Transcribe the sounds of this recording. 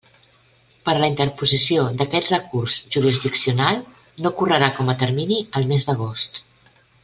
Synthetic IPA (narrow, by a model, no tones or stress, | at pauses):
pəɾləint̪əɾpuzisiod̪əkɛt̪rəkurzʒuɾizd̪iksiunalˠ | nokurəɾakɔmət̪əɾminiəlˠmezd̪əɣ̞ost̪